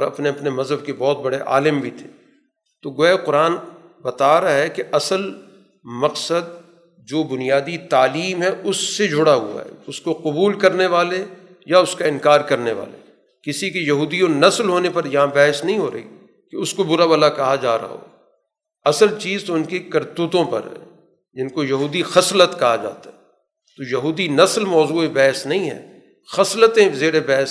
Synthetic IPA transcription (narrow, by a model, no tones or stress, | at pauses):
ɾɐ̰pneɐpnemɐzɦəb̚kebɔːt̪̚bɐɽeʔa̰ːlɪmbʱit̪ʰe̥ː | t̪oɡoeqʊɾaːn | bɐt̪aːɾaɦɛkeʔɐsəl | mɐqsəd̪̚ | d͡ʒoːbʊnijaːd̪it̪aːliːmɦɛʊsːed͡ʒʱʊɽaɦṵa̰ɦɛ̰ʊskoqʊbuːlkɐɾneʋaːle | jaʊskaɪ̃nkaːɾkɐɾneʋa̰ːlḛ | kɪsikejɐɦuːd̪ijõnɐslɦoːnepɐɾjɐɦãbɛːɦəsnɐɦĩɦoːɾɐ̰ɦḭ | keʊskobʊɾabɐlakɐɦad͡ʒaːɾɐ̰ɦa̰ɦo̰ː | ɐsəlt͡ʃiːzt̪oɪnkekɐɾt̪uːt̪õpɐ̰ɾɦɛ̰̃ː | d͡ʒɪnkojɐɦuːd̪ixɐslət̪kɐɦad͡ʒa̰ːt̪aɦɛ | t̪ojɐɦuːd̪inɐslmɔːzuːebɛːɦəsnɐɦĩɦɛ̰ː | xɐslət̪ẽzeːɾebɛːɦs